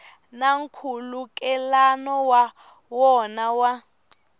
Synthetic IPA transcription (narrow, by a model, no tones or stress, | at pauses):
naŋ̩kʰulukʼɛlanɔwa | wɔnawa